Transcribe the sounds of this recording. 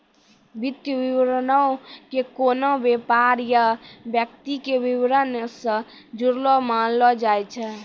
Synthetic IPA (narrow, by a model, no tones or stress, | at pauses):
bit̪jəbiwɾnəwkekonobepaɾjabjək̚t̪ikebiwɾənsə̃ | d͡ʒuɾlɔmanlɔd͡ʒajt͡ʃʰɛ